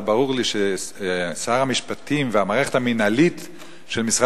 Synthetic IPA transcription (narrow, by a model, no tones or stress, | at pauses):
baʁuʁliʃe | saʁamiʃpatʰimveamaːʁeχethaminalit | ʃe̞lmisʁa